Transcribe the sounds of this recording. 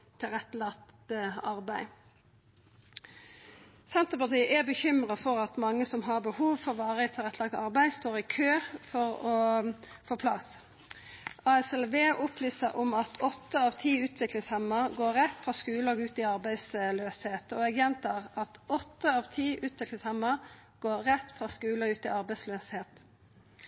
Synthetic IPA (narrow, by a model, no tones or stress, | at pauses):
t̪ʰɪlʁɛt̪ːlɑkt̪əɑɾbæɪ | sɛnt̪əpɑt̪iːʔɛbəçʏmʁɑfɔʁɑt̪mɑŋːəsɔmɦɑʁbəhuːʋfɔɾʋɑːʁɪt̪ʰɪlʁɛt̪ːlɑk̚t̪ɑɾbæɪst̪oːɾɪkʰøːfɔʁɔ | foːpʰlɑ̰s | ɑːɛsɛlʋeːʔʊplyːsəɾʔɔmɑt̪ʰɔt̪ːəɑʋt̪ʰiːʉːt̪ʰʋɪklɪŋshɛmːəʁɡoːɛt̪ːfʁɑskʉːlɑɡʉːt̪ɪɑɾbæɪsløːsheːt̪ɔɛɡjɛnt̪ʰɑːʁɑt̪ɔt̪ːəɑʋt̪ʰiːʔʉːt̪ʋɪklɪŋshɛmːəɾɡ̥oːɾːɛt̪ːfʁɑskʉːləʉːt̪ɪɑɾbæɪsløːsheːt̪